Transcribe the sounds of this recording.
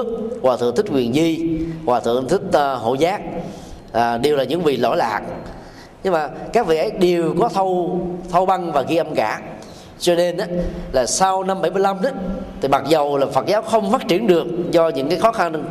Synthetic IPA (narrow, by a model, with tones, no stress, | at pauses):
ək̚kwaː˨˩ɨ̰˧˨ŋt̪ʰï˦˥k̚kwi˨˩ənzi˧kwaː˨˩t̪ʰɨ̰˧˨əŋt̪ʰï˦˥k̟̚ɦo̰˧˨zaː˦˥k̚ | ʔːɗe˨˩wlaː˨˩ɲɨ̰˧˥ŋvḭ˨lo̰˧˩˦la̰ː˨˩k̚ | ɲɨ˧ŋmaː˨˩kaː˦˥k̚vḭ˧˨ʔə˨˦jɗe˨˩əwkɔ˨˦t̪ʰə˧wt̪ʰə˧wɓa˧ŋvaː˨˩ɣi˧ʔə˧mkaː˧˩ | t͡ɕɔ˧ne˧nʔaː˨˦laː˨˩sa˧wna˧mɓə˧˩jmɨ˧əjla˧mnaː˨˦t̪ʰi˨˩ma˨˩t̚zə˨˩wlaː˨˩fə˨˩t̚zaː˨˦wxə˧wŋ͡mfaː˦˥t̚t͡ɕi˧˩ənɗɨ˨˩ək̚zɔ˧ɲɨ̰˧˥ŋkaː˨˦jxɔ˨˦xa˧n